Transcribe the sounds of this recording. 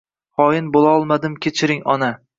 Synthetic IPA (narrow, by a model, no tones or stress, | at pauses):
hɒjɪnbolˠaɒlˠmad̪ɪmkʲʰet͡ʃʰɪɾɪŋɒna